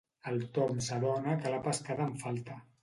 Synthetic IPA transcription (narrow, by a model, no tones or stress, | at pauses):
əlˠt̪omsaðɔnakəlapəskaðəɱfalˠt̪ə